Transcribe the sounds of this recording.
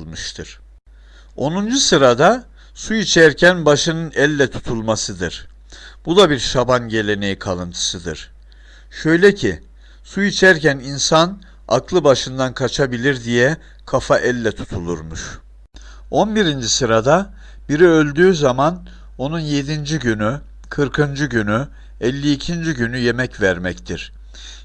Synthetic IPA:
mɯʃt̪ʰɯɾ̥ | o̞nund͡ʒusɯɾad̪a | suit͡ʃʰæɾcʰænbaʃɯnɯnɛlʲːɛt̪ʰu̥t̪ʰulˠmasɯd̪ɯ̰ɾ̥ | b̥ud̪abiɾʃabanɟe̞lʲe̞ne̞jikʰalˠɯnt̪ʰɯ̥sɯd̪ɯ̰ɾ̥ | ʃø̞jlʲɛcʰi | suit͡ʃʰæɾcæninsan | a̰klˠɯbaʃɯnd̪ankʰat͡ʃʰabilʲiɾd̪ijɛ | kʰafaʔɛlʲːɛt̪ʰu̥t̪ʰulˠuɾmuʃ | o̞nbiɾind͡ʒisɯɾad̪a | b̥iɾiølʲd̪yːzaman | o̞nunje̞d̪ind͡ʒiɟyny | kʰɯɾkʰɯnd͡ʒyɟyny | ɛlʲːiːcʰind͡ʒiɟynyje̞mɛcvæɾmɛct̪ʰiɾ̥

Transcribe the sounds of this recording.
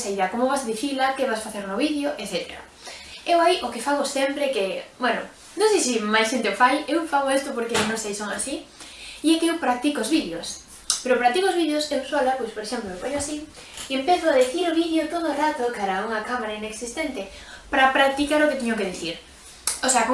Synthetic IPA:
saiðɐkomoβasaðiθilakeβasfaθeɾnoβiðjoʔeθet̪eɾa̰ | ewaiʔokefaɣosɛmpɾɛkebwɛno̰ | nõŋsejs̬imajsʃent̪eofajewfaɣoest̪opoɾkenõŋsejsoŋa̰si | iɛkeewpɾak̚t̪ikoːzβiðjos | peɾopɾak̚t̪ikoːzβiðjosewswolapojspoɾeʃemploepaɲoasi | iempeθʊaðiθiɾoβiðjot̪oðoːrat̪okaɾauŋakamaɾaineksist̪ent̪epɾapɾak̚t̪ikaɾoket̪ɛɲʊk̬eðiθiɾ | oseako

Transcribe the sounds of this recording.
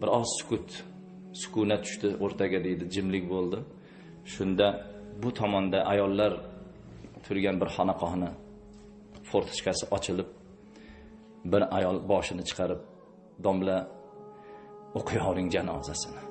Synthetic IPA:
bɪɾɒzsʊ̥kʰʊt̪ | sʊ̥kʊnat̪ʰʊ̥ʃt̪ɪʔoɾt̪ʰaɡʲad̪e̞jd̪ɪd͡ʒɪmlɪkʲbolˠd̪ɪ | ʃʊnd̪abʊt̪ʰɒmɒnd̪aʔajɒlˠːaɾ | t̪ʰʊɾɡʲanbɪɾhɒnaqʰɒhnɪ | foɾt̪ʰɪ̥ʃkʲasɪʔɒt͡ʃʰɪlɪp̚ | bɪɾajɒlˠbɒʃɪnɪt͡ʃʰɨ̥qʰɑɾɪp̚ | d̪ɒmla | oqʰʊjɒwnɪŋd͡ʒanɒ̰zasɪnɪ

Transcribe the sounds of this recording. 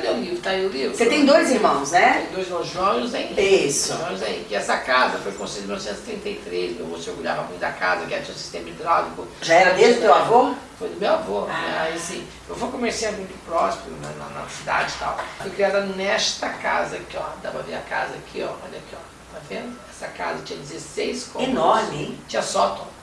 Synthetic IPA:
ɔleʊlivɾʊt̪aiʊlivɾʊset̪ẽj̃d̪ojziɾmɐ̃w̃snɛẽj̃d̪ojziɾmɐ̃w̃zʒõmɾʊzeĩisõmʊzaḭkɪɛsɐkazɐfojkõsẽminɔfsẽt̪se̥t̪ẽnt̪ejt̪ɾezmewvoseoɾɡuʎa̰vɐmũt̪d̪akazɐkɪɛɾɐt͡ʃĩɐ̃ʊsi̥st̪ẽmɐd͡ʒɪd̪ɾavɪkʊʒaɛɾɐd̪ezd̪ʊmewavofojd̪ʊmewavonɛ̰aiasĩ | ewfojkõmeɾsĩɐmũd̪ʊpɾɔspeɾʊnɐnɐnɐ̰sid̪a̰d͡ʒɪt̪a̰wfojkɾiad̪ɐnɛst̪ɐka̰zɐkɪɔ̰d̪apɐvḛɾɐ̰ka̰zɐkʰiɔ̰ɔ̰ʎḭkiɔ̰ | t̪avẽnd̪ʊɛsɐka̰zɐt͡ʃĩɲɐd͡ʒɪzesejskõenɔɾmɪt͡ʃĩɲɐsɔt̪õ

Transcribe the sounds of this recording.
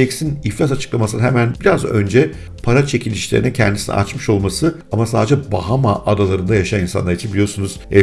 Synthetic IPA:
ɛksiniflʲas̬at͡ʃʰɯ̥klˠamasɯnaɦemænbiɾazø̞̰nd͡ʒɛ | pʰaɾat͡ʃʰe̞cʰilʲiʃlʲeɾḭnɛcʰɛnd̪isinɛ̰ʔa̰t͡ʃmɯʃo̞lˠmasɯamasaːd̪ed͡ʒɛbaɦamaʔːd̪alˠaɾɯnd̪ajaʃaninsa̰nˠaɾit͡ʃʰinbilʲijosunuz̥ɛ

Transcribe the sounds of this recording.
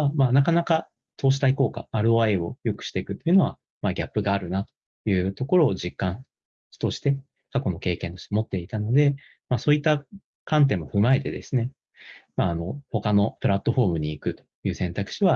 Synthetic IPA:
amaːnakanaka | t̪o̞ːɕ̬i̥t̪aiko̞ːka̰ːɾɯ̟aeo̞jo̞kɯ̟̥ɕi̥t̪e̞ikɯ̟t̪ːo̞jiɯ̟no̞βa̰ | maɡʲapːɯ̟ɡaːɾɯ̟nat̪o̥ | jɯ̟ːt̪o̞ko̞ɾo̞ːʑikːãɰ̥̃ | t̪o̞ɕi̥t̪e̞ | kako̞no̞ke̞ːkẽnt̪oɕi̥t̪emo̞t̪ːe̞it̪ano̞d̪e̞ | maːso̞ːit̪ːa | kãnt̪̬ẽ̞mːo̞ɸɯ̟mae̞t̪e̞d̪e̞sɨne̞ | maːno̞ho̞kano̞pɯ̟ɾat̪ːo̞ɸo̞ːmɯ̟ɲ̟iːkɯ̟t̪o̥jɯ̟ːsẽ̞nt̪akɯ̟̥ɕiβa

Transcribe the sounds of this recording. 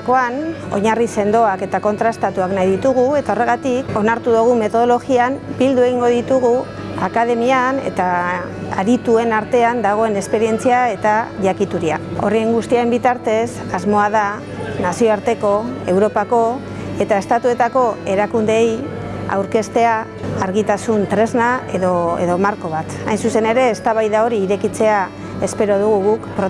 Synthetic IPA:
ko̞an | o̞̰ɲarise̞nd̪o̞ake̞t̪ako̞nt̪ɾaest̪at̪uaknajðit̪uɣ̞ue̞t̪ao̞re̞ɣat̪iko̞naɾt̪uðuɣ̞ume̞t̪o̞ð̞o̞lo̞ɣiambild̪ue̞ɣ̞iŋɡo̞ðit̪uɣu | akaðe̞miane̞̰t̪a | aɾit̪ue̞naɾt̪e̞and̪aɣ̞o̞e̞ne̞speɾie̞nt͡siae̞t̪aʝakit̪uɾia̰o̞̰rieŋɡust̪iaɾe̞mbit̪aɾt̪e̞s | azmo̞aða | nasio̞aɾt̪e̞ko̞e̞wɾo̞pako̞ | e̞t̪ae̞st̪at̪ue̞t̪ako̞e̞ɾakund̪e̞ːj | a̰wɾke̞st̪e̞aː | ɾɣit̪asunt̪ɾe̞znaeðoe̞̰ðo̞maɾko̞βat̪ajnsuse̞ne̞ɾe̞ːst̪aβajðao̞ɾiːɾe̞kit͡se̞a | e̞spe̞ɾo̞ðuɣ̞uɣukpɾo

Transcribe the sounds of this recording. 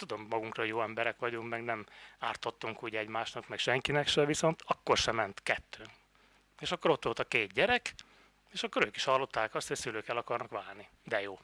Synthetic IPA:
t̪ud̪o̞mːɒɡuŋkrɒojoːɛmbɛɾɛkʋɒɟuŋkmɛɡnɛmaːrt̪ot̪ːuŋkuːɟɛɟmaːʃnɒkmɛkʃɛŋkinɛkʃɛviso̞nt̪ɒkːo̞rʃɛmɛnt̪kɛt̪ːøː | eːʃɒkːo̞ɾot̪ːʋo̞lt̪ɒkeːt̪̚ɟɛɾɛk | eːʃɒkːo̞ɾøːkiʃhɒlːo̞t̪ːaːkɒst̪hocsyløːkɛlɒkɒrnɒkʋaːrni | d̪ɛjoː

